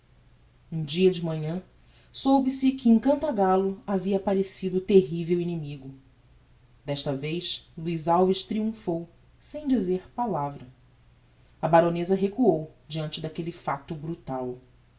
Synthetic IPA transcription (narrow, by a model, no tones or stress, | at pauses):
ũd͡ʒiɐd͡ʒɪmɐ̃ɲɐ̃ | sowbisɪkʰɪẽkɐ̃nt̪aɡalʊaviɐpaɾesid̪ʊt̪eɦivewinimiɡʊ | d̪ɛʃt̪ɐvejʃluizawviʃt̪ɾiũfow | sẽj̃d͡ʒizeɾpalavɾɐ | ɐbaɾõnezɐɦekuowd͡ʒiɐ̃nt͡ʃɪd̪akelɪfat̪ʊbɾut̪aw